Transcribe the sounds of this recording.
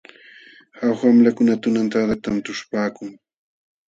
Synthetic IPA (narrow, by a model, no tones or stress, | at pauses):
hawxamlakʊnat̪ʊnant̪ad̪at̪ant̪ʊʃpaːkʊŋ